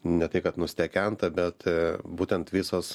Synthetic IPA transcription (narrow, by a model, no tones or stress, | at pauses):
nʲɛt̪ɐɪkɐt̪nʊsʲt̪ʲɛkʲɛnt̪ɐbʲɛt̪buːt̪ʲɛnt̪ʋʲɪsoːs